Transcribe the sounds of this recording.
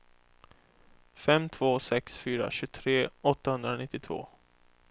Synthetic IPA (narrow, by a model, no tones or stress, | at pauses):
fɛmt̪ʰv̥oːsɛksfyːɾa̰ɕɵːt̪ʰɾeːɔt̪ːahɵnd̪ɾanɪt̪ːɪt̪ʰvo̰ː